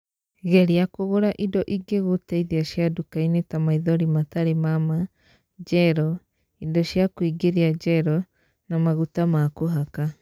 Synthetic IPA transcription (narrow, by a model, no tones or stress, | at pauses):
ɡeɾiakoɣoɾaʔidoʔiɡeɡutejðiasiadukajnetamaiðoɾimat̪aɾemama | d͡ʒeɾo | idosiakuiɡeɾiad͡ʒeɾo | namaɡutamaːkoɦaka